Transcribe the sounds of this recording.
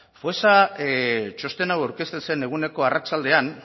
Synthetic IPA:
fosa | t͡ʃo̞st̪e̞nawawɾke̞st̪e̞se̞ne̞ɣ̞une̞ko̞arat͡ʃald̪e̞an

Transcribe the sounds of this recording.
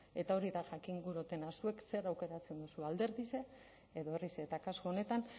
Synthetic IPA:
e̞t̪ao̞ɾiðaʝakiŋɡuɾot̪e̞nasue̞kse̞ɾawke̞ɾat͡se̞nd̪usuald̪e̞ɾðise̞ː | ðo̞eriset̪akaskoone̞t̪an

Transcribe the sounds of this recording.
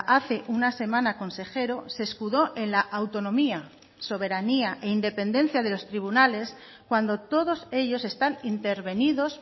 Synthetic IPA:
ʔaθe̞ʔunase̞mãnako̞nse̞xe̞ɾo̞se̞ːskuðo̞ʔe̞nlaʔawt̪o̞nõ̞mia | so̞β̞e̞ɾaniaʔe̞ind̪e̞pe̞nd̪ẽ̞n̟θjað̞elo̞st̪ɾiβunale̞s | kwand̪o̞t̪o̞ðo̞se̞ʎo̞se̞st̪anint̪e̞ɾβe̞niðo̞s

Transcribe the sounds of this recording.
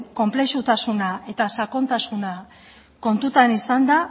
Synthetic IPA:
ko̞mple̞ʃut̪asunaʔe̞t̪asako̞nt̪asuna | ko̞nt̪ut̪anisand̪a

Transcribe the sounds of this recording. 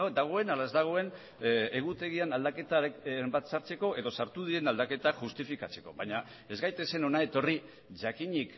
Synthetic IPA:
d̪aɣ̞o̞enalaezd̪aɣ̞o̞e̞n | e̞ɣ̞ut̪e̞ɣ̞ianald̪ake̞t̪ambat̪saɾt͡se̞ko̞ʔe̞ðo̞saɾt̪uð̞iɾe̞nald̪ake̞t̪aʝust̪ifikat͡se̞ko̞̰βaɲa | e̞zɣajt̪e̞se̞no̞nae̞t̪o̞ri | ʝakiɲik

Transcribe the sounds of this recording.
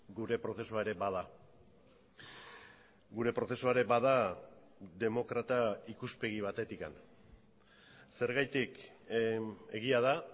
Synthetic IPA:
ɡuɾe̞pɾo̞θe̞suaeɾe̞baða | ɡuɾe̞pɾo̞θesuaɾe̞baða | d̪e̞mo̞kɾat̪aikuspe̞ɣ̞iβ̞at̪e̞t̪ika̰n | se̞ɾɣajt̪ik | e̞ɣiaða

